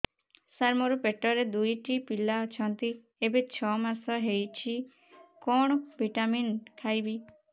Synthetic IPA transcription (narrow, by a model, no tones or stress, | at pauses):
saɾmɔɾupeʈɔɾed̪ujʈipilaɔt͡ʃʰɔnt̪i | ebet͡ʃʰɔmasɔɦejt͡ʃʰi | kɔɳ̃ɔbʱiʈaminkʰajbi